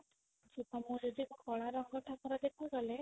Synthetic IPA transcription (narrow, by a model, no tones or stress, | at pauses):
t͡ʃupamũɾud̪ikukɔɭaɾɔŋɡɔʈʰakɔɾɔd̪ekʰɔɡɔle